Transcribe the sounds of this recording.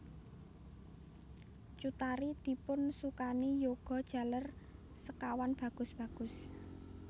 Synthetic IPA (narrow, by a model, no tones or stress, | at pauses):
t͡ʃut̪aɾid̪̥i̤pʊnsukanijoɡ̥ɔ̤d̥ʒ̥ä̤lər | səkawanb̥ä̤ɡ̥ʊ̤sb̥ä̤ɡ̥ʊ̤s